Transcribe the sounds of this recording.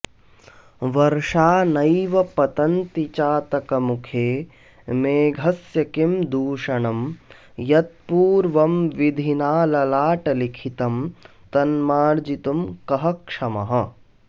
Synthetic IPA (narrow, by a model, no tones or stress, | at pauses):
ʋɐɾʂaːnɐjʋɐpɐt̪ɐnt̪it͡ʃaːt̪ɐkɐmukʰeː | meːɡʱɐsjɐkimd̪uːʂɐɳɐm | jɐt̪̚puːɾʋɐmʋid̪ʱinaːlɐlaːʈɐlikʰit̪ɐm | t̪ɐnmaːɾd͡ʒit̪umkɐɦɐkʂɐmɐ̰ɦɐ̆